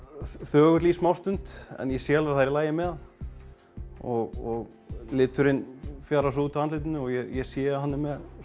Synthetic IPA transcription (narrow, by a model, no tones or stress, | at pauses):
θœːɣʏt̪liːsmawst̪ʏnt̪ɛ̰njɛsjɛalvɛθajɾlaːjɪmɛðan | ɔɣɔɣ | lɪːt̪ʏɾɪnfjaɾasuːt̪aant̪lɪt̪ɪnʏɔɣjɛjɛsjɛːɦanːɪmːɛð